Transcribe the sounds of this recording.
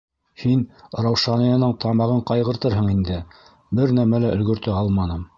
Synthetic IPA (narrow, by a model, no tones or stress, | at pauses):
hinɾɑwʃɑnɤ̆jɑ̆nɤɴt̪ʰɑmɑʁɤɴqɑjʁɤ̆ɾt̪ɤɾɦɤ̆ɴind̪ɘ | bɘɾnæmælæʔɵ̆lɡɵ̆ɾt̪ɘɑlˠmɑnɤm